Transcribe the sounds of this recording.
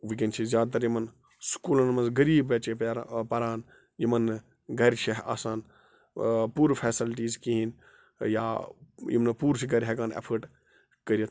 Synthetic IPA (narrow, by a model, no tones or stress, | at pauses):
ʋik̬ɐnt͡ʃʰizjaːd̪̚t̪̬ɐɾjimɐn | skuːlɐnmɐnzɡɐɾiːbɐt͡ʃeɾpɐɾaːn | jimɐn | ɡʱɐɾʲt͡ʃʰɐɦa̰ːsaːn | puːɾfʰeːsilʈiːzkiɦin | jaːjḭmnɐpuːɾsiɡɐɾʲɦɛkaːnḛpʰəʈ | kɐɾijɐt̪ʰ